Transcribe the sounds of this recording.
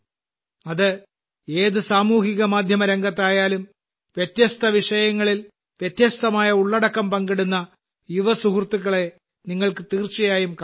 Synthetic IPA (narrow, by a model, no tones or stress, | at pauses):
ɐðɨ | e̞ːðɨsaːmuːɦiɣɐmaːd̪ʱjɐmɐɾɐŋɡɐt̪ːaːjaːlum | ʋjet̪jɐst̪ʰɐʋiʂɐjɐŋːɐɭil | ʋjet̪jɐst̪ɐmaːjɐuɭːɐɽɐkːɐmpɐŋɡiɽunːɐ | juʋɐsuɦurt̪ːuɣːɐɭe̞ | niŋːɐɭkɨt̪iːrt͡ɕɐjaːjumk